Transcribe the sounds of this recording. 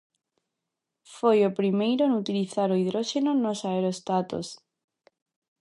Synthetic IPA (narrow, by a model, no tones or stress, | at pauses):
fojopɾimejɾoenut̪iliθaɾoiðɾoʃenonosaeɾoest̪at̪o̰s